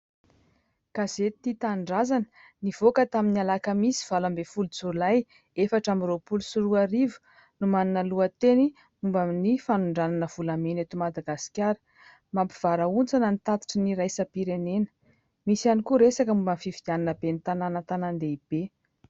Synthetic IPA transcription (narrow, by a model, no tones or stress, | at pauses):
kazet̪it̪aɳɖ͡ʐazanə̥ | niv̥okət̪aminialakəmisi̥v̥alambefuld͡zulaj | efaʈ͡ʂamiɾopulusuɾuaɾivu̥ | numaninəluət̪eni | mumbaminifanuɳɖ͡ʐananəv̥ulamenet̪umad̪aɡasi̥kʲjaɾə̥ | mampi̥v̥aɾaunt͡sanənit̪at̪i̥ʈ͡ʂiniɾajsəpiɾenenə̥ | misanikuɾesakəmumbənfivid̪jananəbenit̪ananət̪anand̪eib̥e